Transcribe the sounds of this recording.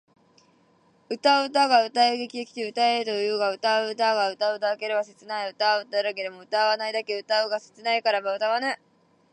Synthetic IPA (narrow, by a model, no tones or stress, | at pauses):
ɯ̟t̪aɯ̟t̪aɡaɯ̟t̪aeɡe̞kʲiɡakʲi̥t̪e̞ɯ̟t̪aeɯt̪o̞jjɯ̟ːɡaɯ̟t̪aɯ̟t̪aɡaɯ̟t̪aɯ̟t̪aɯke̞ɾeβaset͡sɨnaeɯ̟t̪aɡaɯ̟t̪aɯɾaɡe̞ɾemo̞ɯ̟t̪aβanaid̪ake̞ɯ̟t̪aɯɡase̥t͡sɨnaikaɾabaɯ̟t̪aɡana